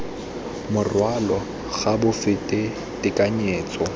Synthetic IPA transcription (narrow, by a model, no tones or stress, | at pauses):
mʊrwalɔ | ɣabʊfɪtʼɪ | tʼɪkʼaɲeːt͡sʼɔ